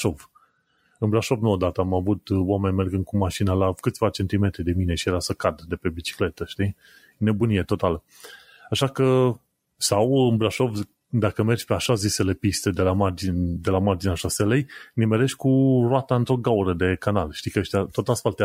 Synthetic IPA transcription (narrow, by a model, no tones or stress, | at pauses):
ʃo̞v | ɨnbɾaʃo̞vnuod̪at̪əamavut̪oame̞nʲmerɡɨnd̪̚kumaʃinəlakɨt̪sʲvat͡ʃe̞nt̪ime̞t̪ɾid̪e̞mine̞ʃijeɾasəkad̪d̪e̞pe̞bit͡ʃi̥kle̞t̪əʃt̪i | ne̞bunije̞t̪o̞t̪alə | aʃakə | sawɨnbɾaʃo̞v | d̪akəme̞rd͡ʒʲpe̞aʃazise̞le̞pist̪e̞d̪e̞lamard͡ʒind̪e̞lamard͡ʒineaʃaselejnemeɾe̞ʃt̪ʲkuroat̪aɨnt̪ɾo̞ɡauɾəd̪e̞kanalʃt̪ikəʃt̪ʲat̪o̞t̪asfalt̪e